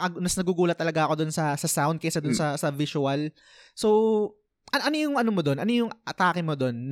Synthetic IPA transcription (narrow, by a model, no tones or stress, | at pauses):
ɐnɐsnɐɡuɡuːlɐt̪ːɐlɐɡaʔɐko̞d̪onsɐsɐsawnd̪̚kɛsɐd̪ʊnsɐsɐvɪsʊɐl | so | ʔɐnʔɐnojʊŋʔɐnomod̪o̞nʔɐnojʊŋʔɐt̪aːkɪmod̪o̞nː